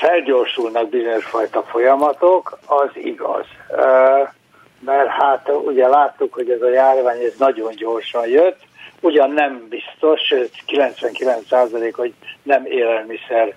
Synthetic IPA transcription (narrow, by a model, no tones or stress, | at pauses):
fɛlɟoːrʃulnɒɡ̚bizo̞ɲo̞ʃfɒjt̪ɒfo̞jɒmɒt̪okɒzḭɡɒ̰z̥ | mɛrhat̪uɟɛlaːt̪ːukho̞ɟɛzɒjaːrvaːɲɛznɒɟo̞ɲɟo̞rʃɒnjøt̪ːuɟɒnːɛmbist̪o̞ʃʃøːt̪kilɛnt̪sʋɛŋkilɛnt̪saːzɒleːkho̞ɟnɛmeːlɛlmisɛr